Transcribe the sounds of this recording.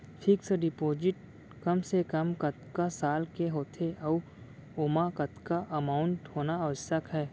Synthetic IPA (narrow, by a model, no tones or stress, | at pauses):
pʰɪksəɖɪpoːd͡ʒɪʈ | kɐmsekɐmkɐt̪kasaːlkeɦoːt̪ʰeʔɐu | oːmakɐt̪kaʔɐmaːʊɳʈhoːnaɐʋəsəkɦɛː